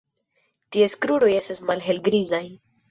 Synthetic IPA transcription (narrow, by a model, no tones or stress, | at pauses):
tieskɾuɾo̞je̞stasmalɦe̞lɡɾizaj